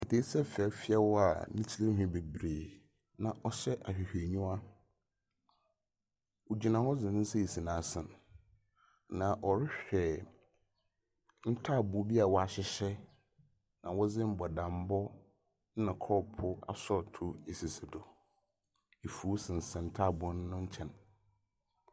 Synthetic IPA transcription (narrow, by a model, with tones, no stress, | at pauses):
ɛ˨tʰe˦sɛ˦fɛ˨fi˦a˦wɔ˦a̰˨nĩ˦t͡ɕʰi˦le˦ɦᶣʊ̃˦be˨bɾeː˨ | nã˨ʔɔ˨ɕɛ˦ʔa˨ɕᶣi˨hᶣe˨ɲũ˦a˦ | wo˨d͡ʑi˨nã˨hɔ˦d͡zɪ̃˨nɪ̃˦n̩˦sɛ˦i˨si˨nã˨˦sɪ̃˨n | nã˨ʔɔ˨ɾɪ˦ɕᶣɛ˨ | n̩˦tʰa˦˨bʊ˨˦bi˦a˨wɔ˦a˨ɕɪ˦ɕɛ˦ | nã˨wɔ˦d͡zɪ̃˦m̩˦bɔ˨dã˨m˦bɔ˦ | nã˨kʰɔ˦pʰʊ˦a̰˨sɔ˦˨tʰʊ˦e˨si˨sɪ˨dʊ˨ | e˨fu˨˦sɪ̃˨n̩˨sɛ̃˨n̩˦tʰa˦˨bʊ˨˦nʊ˦nʊ̃˦ɲ̩˦t͡ɕʰɛ̃˨n